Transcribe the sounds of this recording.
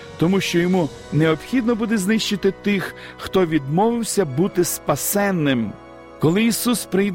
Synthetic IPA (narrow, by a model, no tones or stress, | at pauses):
t̪ɔmuʃt͡ʃɔjɔmu | neɔpxʲid̪nɔbud̪ɛznɪʃt͡ʃɪt̪ɪt̪ɪx | xt̪ɔʋʲid̪mɔʋɪwsʲɐbut̪ɪspɐsɛnːɪm | kɔlˠɪisuspɾɪjd̪